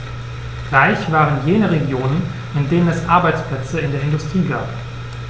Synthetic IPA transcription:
ʁaɪçv̥aːʁənjeːnəʁeɡjoːnən | ɪndeːnənɛsʔaɐbaɪt͡spl̥ɛt͡səɪndeːɐɪndʊstʁ̥iːɡa̰ːp

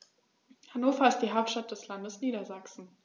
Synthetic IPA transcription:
hanoːfɐɪstd̥iːɦaʊp̚tʃtat̚d̥ɛslandəsniːɾɐzaksn̩

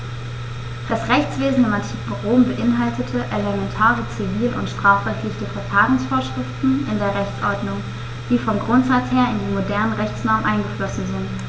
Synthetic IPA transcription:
d̥asʁɛçt͡sv̥eːzn̩ɪmantʰiːkn̩ʁoːmbəʔɪnɦaltətʰəʔelemɛntʰaːʁət͡siviːlʊ̰ntʃtʁ̥aːfʁ̥ɛçtlɪçəfɛɐfaːʁʊŋsfoːɐʃʁ̥ɪftn̩ɪndeːɐʁɛçt͡sʔɔɐdnʊŋ | d̥iːfɔmɡʁʊntz̥at͡sheːɐɪndeːnmodɛɐnənʁɛçt͡snɔːənʔaɪnɡəflɔsn̩zɪnt

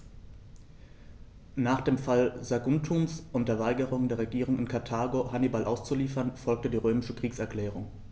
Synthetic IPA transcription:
naːχd̥eːmfalzaɡʊntʰuːnsʔʊntd̥ɐːɐvaɪɡəʁ̞ʊŋəndeːɐʁeɡiːʁ̞ʊŋɪnkʰaɐtʰaːɡohanibalʔaʊst͡suliːfɐnfɔlk̚tədiːʁøːmɪʃəkʁ̥iːksɛɐkl̥ɛːʁ̞ʊŋ

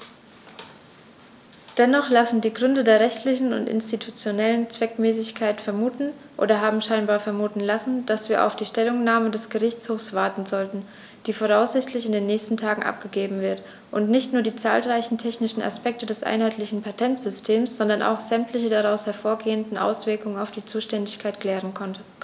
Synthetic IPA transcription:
d̥ɛnɔχlasn̩diːɡʁʏndədeːɐʁɛçtʰlɪçn̩ʊ̰ntʔɪ̰nstitʰut͡sjonɛlənt͡sv̥ɛkmɛːsɪçkʰaɪtfɛɐmuːtn̩ | ʔo̰ːdɐɦaːbm̩ʃaɪnbaːɐfɛɐmuːtn̩lasn̩d̥asv̥iːɐʔa̰ʊfd̥iːʃtɛlʊŋnaːmədɛsɡ̥əʁɪçt͡shoːfsv̥aɐtn̩zɔltn̩ | d̥iːfoʁ̞aʊsz̥ɪçtʰlɪçɪndeːnːɛːçstn̩tʰaːɡŋ̩ʔa̰p̚ɡ̥əɡeːbm̩vɪɐt | ʔʊntnɪçtnuːɐdiːt͡sa̰ːlʁaɪçn̩tʰɛçnɪʃn̩ʔa̰spɛk̚tədɛsʔa̰ɪnhaɪtʰlɪçn̩pʰatʰɛntz̥ʏstʰeːmsz̥ɔndɐnʔa̰ʊxz̥ɛmtlɪçədaʁaʊshɛɐfoːɐɡeːəndn̩ʔa̰ʊsv̥ɪɐkʊŋənaʊfd̥iːt͡suːʃtɛndɪçkʰaɪtkʰl̥ɛːʁ̞ənkʰɔntə

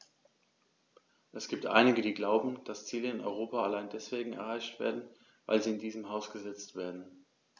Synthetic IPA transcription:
ʔɛsɡ̥iːp̚tʔa̰ɪnɪɡədiːɡlaʊbm̩d̥ast͡siːləɪnɔ̰ʏʁ̞oːpaalaɪndɛsv̥eːɡŋ̩ɛ̰ɐʁaɪçtv̥ḛːɐdn̩ | va̰ɪlziːɪndiːzəmɦaʊsɡ̥əzɛt͡stv̥eːɐdn̩

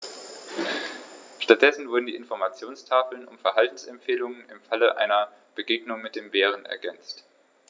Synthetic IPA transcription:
ʃtat̚d̥ɛsn̩vʊɐdn̩diːʔɪnfɔɐmat͡sjoːnstʰaːfl̩nʊ̰mfɛɐɦaltn̩sɛmfeːlʊŋənɪmfaləʔa̰ɪnɐ | b̥əɡeːɡnʊŋmɪt̚d̥eːmbeːʁ̞ənʔɛ̰ɐɡɛnt͡st

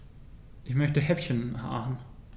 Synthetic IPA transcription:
ʔɪçmœçtəhɛpʃənhan

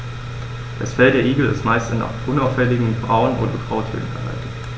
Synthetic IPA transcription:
d̥asfɛldeːɐʔiːɡl̩ɪ̰stmaɪstan̰ʔʊnaʊfɛlɪɡŋ̩bʁaʊənʔo̰ːdɐɡʁaʊthø̰ːn̩fɛɐɦa̰ltət

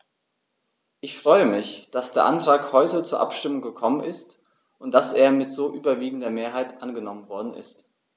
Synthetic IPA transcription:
ʔɪçfʁ̥ɔʏəmɪçd̥asd̥eːɐʔantʁ̥aːkhɔʏtət͡suːɐʔa̰pʃtɪmʊŋɡəkʰɔmənɪst | ʔʊntd̥aseːɐmɪtz̥oːʔyːbɐviːɡŋ̩dɐmeːɐɦaɪtʔanɡənɔmənvɔɐdn̩ʔɪ̰st

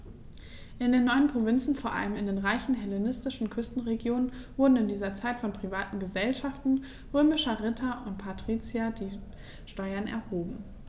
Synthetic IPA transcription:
ʔɪndeːnːɔʏənpʁ̥ovɪnt͡sn̩foːɐʔa̰ləmɪndeːnʁaɪçn̩ɦɛlenɪstɪʃn̩kʰʏstn̩ʁeɡjoːnənvʊɐdn̩ɪndiːzɐt͡saɪtfɔnpʁ̥ivaːtn̩ɡəzɛlʃaftn̩ | ʁøːmɪʃɐʁɪtʰɐʔʊntpʰatʁ̥iːt͡sjadiː | ʃtɔʏɐnɛ̰ɐhoːbm̩

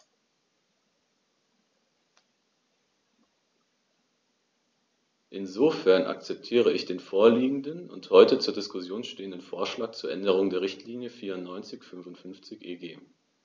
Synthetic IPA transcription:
ʔɪnzoːfɛɐnʔa̰k̚t͡sɛp̚tʰiːʁ̞əɪçd̥eːnfoːɐliːɡŋ̩dənʊ̰nthɔʏtət͡suːɐdɪskʊsjoːnʃteːəndənfoːɐʃlaːk̚t͡suːɐʔɛndəʁʊŋdeːɐʁɪçtʰliːnjəfiːɐʊntnɔʏnt͡sɪçfʏnvʊntfʏnft͡sɪçʔeːɡeː

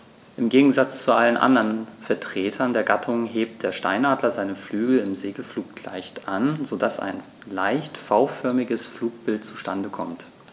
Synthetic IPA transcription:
ʔɪmɡeːɡŋ̩zat͡st͡suʔalənʔa̰ndɐnfɛɐtʁ̥eːtʰɐndeːɐɡatʰʊŋɦeːp̚t̚d̥eːɐʃta̰ɪnaːdlɐzaɪnəflyːɡl̩ɪmzeːɡəfluːk̚tʰla̰ɪçtʔanzodasa̰ɪn | laɪçtfaʊfœɐmɪɡəsfluːk̚b̥ɪltt͡su̥ʃtandəkʰɔ̰mt

